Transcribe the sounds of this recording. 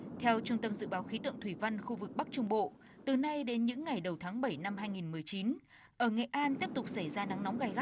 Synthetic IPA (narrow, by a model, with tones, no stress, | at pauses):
t̪ʰɛ˧wt͡ɕʊ˧ŋ͡mt̪ə˧mzɨ̰˧˨ɓaː˨˦wxi˨˦t̪ɨ̰˧˨ŋt̪ʰwi˧˩va˧nxu˧vɨ˨˩k̚ɓk̚t͡ɕʊ˧ŋ͡mɓo̰˧˨ | t̪ɨ˨˩na˧jɗe˨˦nɲɨ̰˧˥ŋːa˨˩jɗə˨˩wt̪ʰaː˨˦ŋɓə˧˩jna˧mɦaː˧jŋi˨˩nmɨ˨˩əjt͡ɕi˨˦n | ʔəː˧˩ŋḛ˧˨ʔaː˧nt̪i˦˥əp̚t̪ʊ˨˩k͡p̚sa˧˩jzaː˧na˨˦ŋnɔ˨˦wŋ͡mɣaː˨˧˩jɣa˦˥